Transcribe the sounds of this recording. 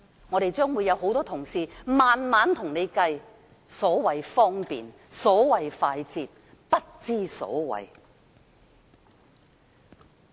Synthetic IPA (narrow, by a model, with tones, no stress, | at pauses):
ŋɔː˨˧ɾe˨jt͡ʃœː˥ŋwuː˨˧jːɐ˨˧wɦo˨˥wt̪ɔː˥t̪ʰʊ˨˩ŋsiː˨maː˨nmaː˨˥nt̪ʰʊ˨˩ŋne˨˧jkɐ˧j | sɔː˨˥wɐ˨jfɔː˥ŋpḭː˨n | sɔː˨˥wɐ˨jfaː˧jt͡siː˧p̚ | pɐ˥t̚t͡siː˥sɔ̰ː˨˥wɐ̰˨˩j